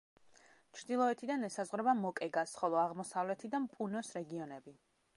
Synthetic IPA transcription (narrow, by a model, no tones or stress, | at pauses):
t͡ʃʰɾd̪ilˠɔɛt̪ʰid̪anɛsazʁwɾɛbamɔkʼɛɡasχɔlˠɔaʁmɔsavlɛt̪ʰid̪ampʼunɔsɾɛɡiɔnɛbi